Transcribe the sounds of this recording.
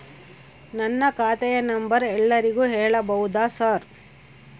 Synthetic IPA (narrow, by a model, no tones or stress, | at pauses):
nɐnːɐkaːt̪ɛjɐnɐmbɐɾɛlːɐɾiɡuːɦɛːɭɐbɐɦud̪aːsaːɾ